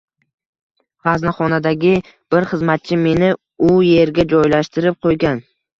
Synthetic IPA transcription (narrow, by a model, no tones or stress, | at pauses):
ʁaznaχɒnad̪aɡʲɪ | b̥ɪɾχɨzmat̪̚t͡ʃʰɪme̞nɪ | ʊje̞ɾɡʲad͡ʒɒjlaʃt̪ɪɾɪp̚qʰojɡʲan